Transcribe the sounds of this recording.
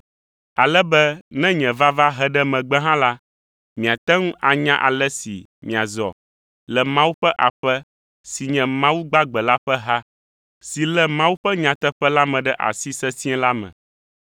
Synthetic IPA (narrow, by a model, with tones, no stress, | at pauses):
a˨lɛ˦bɛ˦nɛ̃˦ɲɛ̃˨va˦va˦ɦɛ˦ɖɛ˦mɛ̃˨ɡ͡bɛ˦ɦã˦la˦ | mĩ˨a˨t̪ɛ˦ŋũ˦ʔa˨ɲã˦ʔa̰˨lɛ˦sḭ˨ | mĩ˨a˨zɔ̰˨ | lɛ˨mã˦wu˦ɸɛ˦ʔa˨ɸɛ˦ | si˨ɲɛ̃˨mã˦wu˦ɡ͡ba˦ɡ͡bɛ˨la˦ɸɛ˦ɦa˦ | si˨lɛ˨mã˦wu˦ɸɛ˦ɲã˨t̪ɛ˦ɸɛ˦la˦mɛ̃˨ɖɛ˦ʔa̰˨si˦sɛ˦si˦ɛ̃˦la˦mɛ̰̃˨